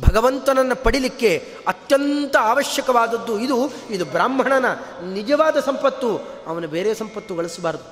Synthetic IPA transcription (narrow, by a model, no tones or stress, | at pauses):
bʱɐɡɐʋɐnt̪ɐnɐnːɐpɐɽilikːe̞ | ɐt̪jɐnt̪ɐaːʋɐʃjɐkɐʋaːd̪ɐd̪ːuid̪uid̪ubɾaːmbʱɐɳɐnɐnid͡ʒɐʋaːd̪ɐsɐmpɐt̪ːʋuɐʋɐnube̞ːɾeːsɐmpɐt̪ːuɡɐɭisɐbaːɾd̪u